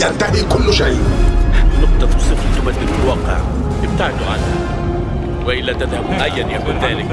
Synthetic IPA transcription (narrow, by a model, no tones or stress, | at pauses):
jant̪ahikʊlːʃajħanʊqt̪ˤɑfisˤːɨfɪt̪ːʊbat̪bɪlwɑqːɪ̰ʕ̰ʔɪb̚t̪aʕɪd̪uʕa̰nha̰ | wɪʔɪlːæt̪ɪðhabʔajːanjakuːnðæːlɪk